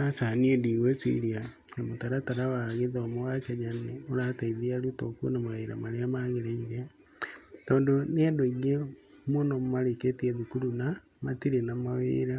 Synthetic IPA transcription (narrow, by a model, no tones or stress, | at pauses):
asaniendiːwet͡sḭɾia | emotaɾataɾawaɣeðomowakaɲaneoɾataiðiaɾutokuo̰namaɣeiɾa̰maɾeamaɣeɾeiɣe | tɔːndoneadoiɣe | mwonommaɾeketieðukuɾuna | matiɾenamawḛːɾa